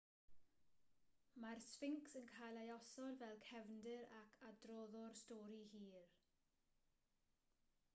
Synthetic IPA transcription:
marsfɪŋksənkʰajlˠajɔsɔdvɛlˠkʰɛvndɪɾakʰadrɔðɔrstɔːɾihiːr

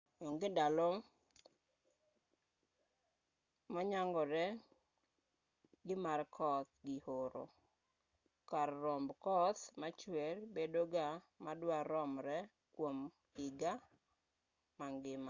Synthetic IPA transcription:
oŋɡedalɔ | mɔɲaŋɡɔɾɛ | ɡɪmarkʰɔt̪ɡɪhoɾo̰ | kaɾːɔmbkɔt̪mat͡ʃwɛɾbedoɡa | madwaɾɔmɾɛ | kwom | ɪɡa | maŋɡɪma

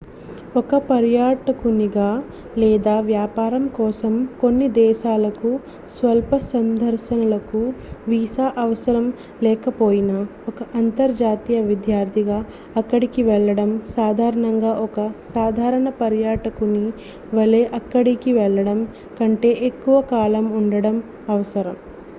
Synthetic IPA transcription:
ɔkɐpɐɾjaːʈɐkuniɡaː | lɛːd̪aːʋjaːpaːɾɐmkɔːsɐmko̞nːid̪ɛːʃaːlɐku | sʋɐlpɐsɐnd̪ʱɐɾʃɐnɐlɐkuʋiːsaːʔɐʋɐsɐɾɐm | lɛːkɐpoːjinɐɔkɐʔɐnt̪ɐɾd͡ʒaːt̪ijɐʋid̪jaːɾt̪ʰiɡaː | ɐkːɐɽikiʋɛɭːɐɽɐmsaːd̪ʱaːɾɐɳɐŋɡaːʔɔkɐsaːd̪ʱaːɾɐɳɐpɐɾjaːʈɐkuni | ʋɐleːʔɐkːɐɽikiʋɛɭːɐɽɐm | kɐɳʈe̞ːʔekːuʋɐkaːlɐmuɳɖɐɽɐm | ɐʋɐsɐɾɐm

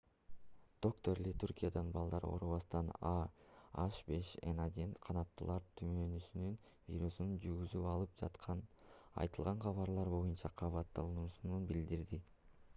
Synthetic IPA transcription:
d̪̥o̞k̚t̪o̞ɾlet̪ʰuɾkʲijad̪ɑnbɑlˠd̪ɑɾo̰ɾuβɑst̪ɑnɑɑʃbe̞ʃḛnad̪ʲinqʰɑnɑt̪ːṵlˠɑɾt̪ʰymønysynyn | vʲḭɾusunund͡ʒyɾɡyzyɑlˠɯp̚d͡ʒɑ̰t̪qʰɑn | ɑ̰jt̪ɯlˠʁɑɴqʰɑβɑɾlˠɑɾbo̞junt͡ʃɑqʰɑβɑt̪ːɑlˠɯnusununbild̪iɾd̪i

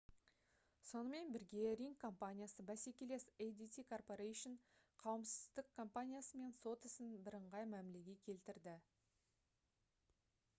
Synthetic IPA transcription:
so̞nəme̞nbɪɾɡʲe̞ɾiŋkʰːo̞mpanʲijasəbæse̞kʲele̞sejd̪it̪ikʰo̞rpo̞ɾejʃənqʰɑwəmsɪ̥zzd̪ɪkʰːo̞mpanʲijasəme̞nso̞t̪ɪsɪnbɪɾəɴʁɑjmæmle̞ɡʲe̞kʲʰe̞lt̪ɪɾd̪ɪ

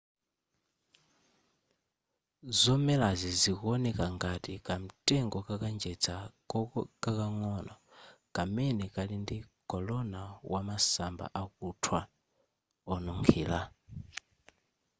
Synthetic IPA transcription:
zɔmɛlazizikɔnɛkaŋɡatikʼam̩tʼɛŋɡɔkakand͡ʒɛt͡sʰa | kakaŋɔnɔ̰kʼamɛnɛkʼalindikʼɔlɔnawamasamba̰ʔakutʰwa | ɔnuŋkʰiːla

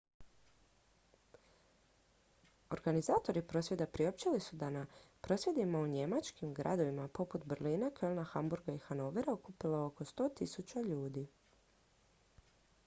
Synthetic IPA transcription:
o̞ɾɡanizaːt̪o̞ɾipɾo̞ːsʋje̞d̪apɾiop̚t͡ʃilisud̪anapɾo̞sje̞d̪imauɲe̞mat͡ʃkimɡɾʔa̰d̪o̞ʋimapo̞put̪brliːnakʰølˠnaxambuɾɡaixano̞ʋeɾaukupilaoko̞st̪o̞ːt̪isut͡ʃaʎuːd̪i

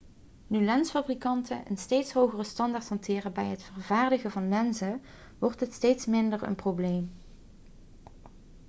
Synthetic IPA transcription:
nylɛnsfabrikɑntənʔə̰nstejtsɦowχərəstɑndaːɹthɑntʰɪːrəbɛjɦətfəɹvaːɹdəɣəvɑnlɛnzə | ʋɔɹtətstejtsmɪndəɹə̰nprowblejm

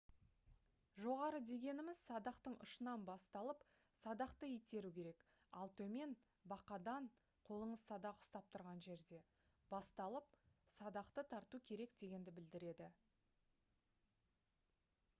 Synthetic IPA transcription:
ʒo̞ʁɑɾəd̪e̞ɡʲe̞nɪmɪz̥sɑd̪ɑqt̪əɴʊ̰ʃənɑnbɑst̪ɑlˠəp | sɑd̪ɑqt̪əet̪e̞ɾukʲe̞ɾe̞k | ɑlˠt̪ʰɵme̞n | bɑqɑd̪ɑɴ | qʰo̞lˠəɴəzsɑd̪ɑqʊ̥st̪ɑp̚t̪ʰʊɾʁɑnʒe̞ɾd̪e̞ | b̥ɑst̪ɑlˠəp̚sɑd̪ɑqt̪ət̪ʰɑɾt̪ukʲʰe̞ɾe̞kd̪e̞ɡʲe̞nd̪ɪbɪld̪ɪɾe̞d̪ɪ

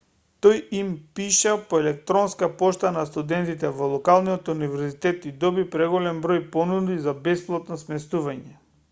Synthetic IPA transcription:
t̪ɔjimpiʃapoɛlɛk̚t̪ɾɔnskapɔʃt̪anast̪ud̪ɛnt̪it̪ɛvɔlˠɔkalˠnijɔt̪univɛɾzit̪ɛt̪id̪ɔbipɾɛɡɔlɛmbɾojpɔnud̪izabɛsplˠat̪nɔsmɛst̪uvaɲɛ

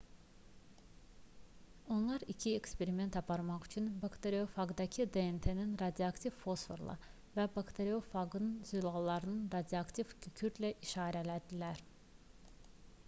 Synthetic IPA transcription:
o̞nlˠɑɾicʰie̞kspe̞ɾime̞nt̪ɑpʰɑɾmɑχyt͡ʃʰynbakt̪ʰe̞ɾio̞fɑɡd̪ɑcʰid̪eent̪ʰe̞ninɾɑd̪iɑkt̪ʰivfo̞sfoɾlˠʔɑ̰ | væbɑkt̪ʰeɾio̞fɑɡɯnɯnz̥ylˠɑlˠːɑɾɯnɯnɾɑd̪iɑkt̪ʰivkʰycʰyɾlæʔiʃɑːɾælæd̪ilæɾ

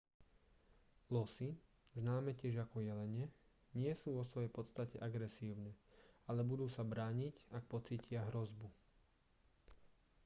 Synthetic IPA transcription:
lɔsi | znaːmɛcɪɛʒakɔjɛlɛɲɛ | ɲɪɛsuːʋɔsʋɔjɛjpɔt̪st̪acɛʔaɡɾɛsiːʊnɛalɛbud̪uːsabɾaːɲicak̚pɔt͡siːcɪaɦɾɔzbu

